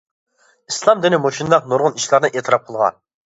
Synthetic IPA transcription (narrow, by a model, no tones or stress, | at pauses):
islˠɑmd̪ɪnɪmoʃind̪ɑqnoɾʁʊniʃlˠɑɾnɨʔet̪ʰɪɾɑp̚qʰəlˠʁɑ̰n